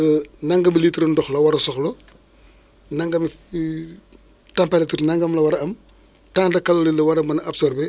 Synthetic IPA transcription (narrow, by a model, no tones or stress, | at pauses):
nɐŋɡɐmilitɾɐndɔxlɐwɐɾɐsɔxlɔ | nɐŋɡɐmi | tɐmpɐlɛtuɾnɐŋɡɐmlɐwɐɾɐɐm | taːndɐkːɐlɐlilɐwɐɾɐmɐnɐɐbsɔɾbe